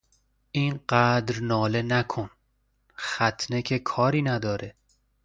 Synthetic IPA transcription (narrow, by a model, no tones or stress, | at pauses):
ʔiːnɢæːd̪ɾnɒːle̞nækʰon | xæt̪ʰne̞cʰekʰɒːɾiːnæd̪ɒːɾe̞